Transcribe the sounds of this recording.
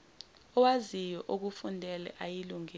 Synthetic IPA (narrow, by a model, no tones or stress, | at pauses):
ɔwazijɔʔok̬ufundʱɛlɛ̰ʔajiluŋi